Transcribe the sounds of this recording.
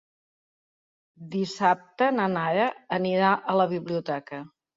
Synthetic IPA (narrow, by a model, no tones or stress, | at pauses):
d̪isap̚t̪ənənaɾəəniɾaʔələβ̞iβliut̪ɛkə